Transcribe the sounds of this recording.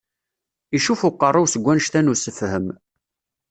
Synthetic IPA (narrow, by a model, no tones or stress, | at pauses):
iʃufʊqːərˤːuwsəɡʷːænʃt̪ænusəfhəm